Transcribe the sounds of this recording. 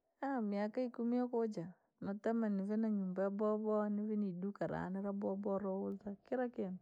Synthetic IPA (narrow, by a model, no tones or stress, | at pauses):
amiakaikumiɔkod͡ʒa | nɔtamanizenaɲumbabɔbɔniβinidukaɾa̰nɛɾabɔbɔɾɔwʊltakɪɾakɪn